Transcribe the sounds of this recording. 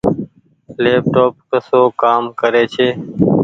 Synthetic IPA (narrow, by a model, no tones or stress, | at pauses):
leːp̚ʈoːp̚kəsoːkaːmkəɾeːt͡ʃʰeː